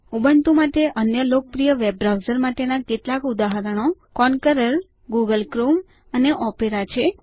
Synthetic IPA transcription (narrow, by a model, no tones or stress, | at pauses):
ubənt̪umaʈ̪eʔənjəlok̚pɾijəʋeb̚ɾawzəɾmaʈenaket̪lakud̪aɦəɾəɳ̃okɔnkəɾəɾ | ɡuɡəlkɾum | əneʔɔpeɾat͡ʃʰe